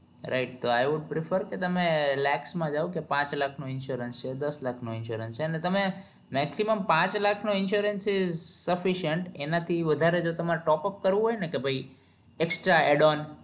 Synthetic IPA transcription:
ɾa̰ɪʈ̚t̪oajʋʊɖ̚pɾɪfʰəɾket̪əmelɛksmãd͡ʒaʋõkepãt͡ʃlakʰnoɪnʃuɾənst͡ʃʰed̪əslakʰnoɪnʃuɾənst͡ʃʰeənet̪əme | mɛksiməmpãt͡ʃlakʰnoɪnʃuɾənsɪzsəfiʃəɳʈenat̪ʰiʋəd̪ʱaɾed͡ʒot̪əmaɾʈɔpəp̚kəɾʋũɦojnekebʱaj | eksʈɾaeɖɔn

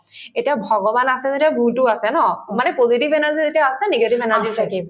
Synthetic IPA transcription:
etiabʱɔɡɔbanasɛzetijabutʊasɛnɔmanɛpozitibɛnaɹzizetijaːsɛneɡetibɛnaɹzitʰaki

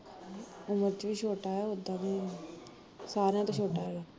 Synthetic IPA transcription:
ʊməɾt͡ʃʋiːʃʰoːʈaːaːʊd̪ãːnẽː | saːɾejãːt̪õːt͡ʃʰoːʈaːaː

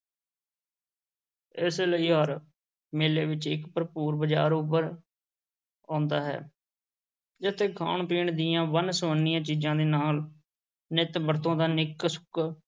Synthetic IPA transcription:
ɪsləiːɦəɾ | meːleːʋɪt͡ʃɪkpəɾpuːɾbəd͡ʒa̰ːɾʊp̬əɾ | ãːnd̪aːɦɛ̰ː | d͡ʒɪt̪ʰːeːkʰa̰ːɳpiːɳd̪ɪjãːʋənsoːnːijãːt͡ʃiːd͡ʒãːd̪eːnaːl | nɪt̪bəɾt̪õːd̪aːnɪksʊ̥k

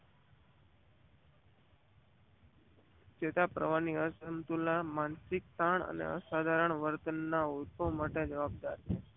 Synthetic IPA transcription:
t͡ʃet̪apɾə̰ʋaniəsənt̪ulamansik̚t̪aɳə̰nḛə̰sad̪ʱaɾəɳʋəɾt̪ənːauɾpəʋmaʈed͡ʒəʋab̚d̪aɾt͡ʃʰe

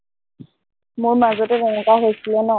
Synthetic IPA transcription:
mʊɹmazɔtɛbɛŋɔkaɦojsilɛnɔ

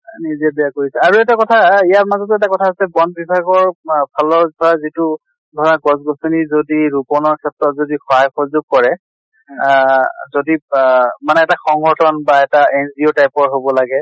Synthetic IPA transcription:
nizɛbɛjakoɹisɛaɹuɛtakɔtʰaijaɹmazɔtɛtakɔtʰaɦosɛbɔndbibʱaɡɔɹbʰalɔdʱɔazitu | dʱɔɹaɡɔsɡɔsonizodiɹupɔnɔɹkʰɛtɹɔtzodixɔɦajxɔzʊɡ̚kːɔɹɛ | zodimanɛɛtaxɔŋɡʱɔtʰɔnbaɛtaenziotajpɔɹɦobɔlaɡɛ

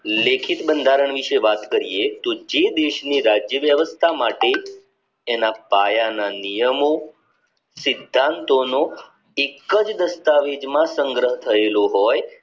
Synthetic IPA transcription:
lekʰit̪bənd̪ʱaɾəɳ̃ʋiʃeʋat̪kəɾijet̪od͡ʒed̪eʃniɾad͡ʒjəʋjəʋəst̪ʰamaʈeː | napajananijəmo | sɪd̪ʱːãnt̪ono | ekːəd͡ʒd̪əst̪aʋed͡ʒmãsəŋɡɾəɦt̪ʰəeloɦoj

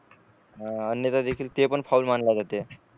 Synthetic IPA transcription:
ɦãənjət̪ad̪ekʰiːlt̪epəɳfaulmanlad͡zat̪e

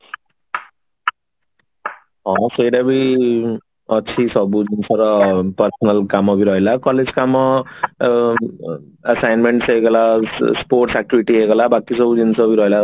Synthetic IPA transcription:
ɦʌsʌjɾabi | ʌt͡sʰisʌbud͡zint͡sʰʌɾʌpʌrsʌnʌlkamʌbiɾʌɦelakʌled͡zkamːʌ | asajnmeɳʈseeɡʌlasporʈsak̚ʈibiʈiɦeɡʌlabakisʌbud͡zinsʰʌbiɾʌɦela

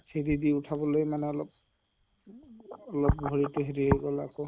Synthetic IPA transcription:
sʰedidiʊtʰabɔlojmanɛɔlɔp̚ | ɔlɔp̚ɡʱoɹituɦediɦejɡɔlakɔ

